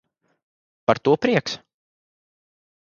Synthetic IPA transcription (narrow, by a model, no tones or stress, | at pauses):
paɾt̪uɔpɾiɛks